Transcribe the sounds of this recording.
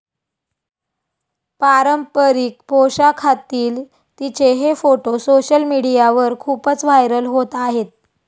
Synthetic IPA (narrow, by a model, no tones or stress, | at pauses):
paɾəmpəɾiːk̚poɕakʰat̪iːl | t̪it͡seɦefoʈosoɕəlmiɽijaʋəɾkʰuːpət͡sʋajɾəlɦot̪aɦet̪̚